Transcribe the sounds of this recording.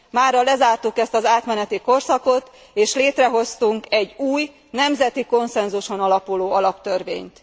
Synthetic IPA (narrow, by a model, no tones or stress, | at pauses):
maːrɒlɛzaːrt̪ukɛst̪ɒzaːt̪mɛnɛt̪iko̞rsɒko̞t̪ | eːʃleːt̪rɛɦo̞st̪uŋkɛɟuːj | nɛmzɛt̪iko̞nsɛnzuʃo̞nɒlɒpuloːɒlɒpt̪ørvḛːɲt̪